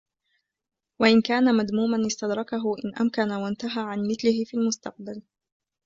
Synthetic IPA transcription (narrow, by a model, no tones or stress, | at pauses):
waʔɪnkaːnamad̪muːmanʔɪst̪ad̪ɾˤɑkaɦʊʔɪnʔa̰mkanawant̪aɦaːʕanmɪθlɪhɪfiːlmʊst̪ɑq̚bal